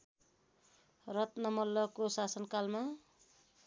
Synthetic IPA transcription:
rʌt̪nʌmʌlːʌkosasʌnkalma

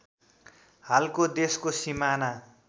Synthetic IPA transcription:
halkod̪eskosimana

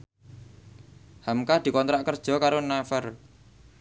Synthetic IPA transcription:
hamkahd̪̥i̤kɔnt̪ɾaʔkərd̥ʒ̥ɔ̤kaɾonafər

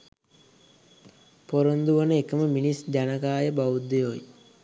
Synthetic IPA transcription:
poɾond̪uʋənəekəməminisd͡ʑanəkaːjəbaʋud̪ejoj

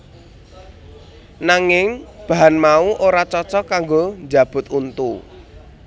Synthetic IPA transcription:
naŋɪŋb̥a̤ɦanmauʔoɾat͡ʃɔt͡ʃɔkaŋɡoɲd͡ʒab̥ʊ̤t̪unt̪u

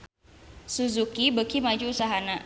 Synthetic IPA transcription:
suzukibəkimad͡ʒuusaɦana

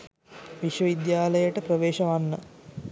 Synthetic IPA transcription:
ʋiʃʋəʋid̪jaːləjəʈəpɾəʋeːʃɐʋanːə

